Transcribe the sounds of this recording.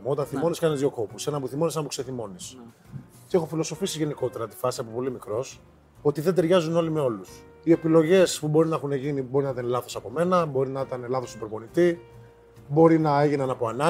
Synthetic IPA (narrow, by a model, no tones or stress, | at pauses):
o̞t̪ɐnθimo̞niskɐnizðio̞ko̞puse̞nɐpuθimo̞nisenɐpu̥seθimo̞nis | t̪iexofilo̞so̞fisiʝe̞niko̞t̪e̞ɾɐt̪i̥fɐsiɐpo̞po̞limikɾo̞s | o̞t̪iðe̞d̪e̞ɾʝɐzuno̞lime̞o̞lus | ie̞pilo̞ʝe̞spubo̞ɾinɐexuneʝinibo̞ɾinɐt̪ɐnlɐθo̞sɐpo̞me̞nɐbo̞ɾinɐit̪ɐne̞lɐθosipɾopo̞nit̪i | bo̞ɾinɐe̞ʝinɐnɐpo̞ɐnɐ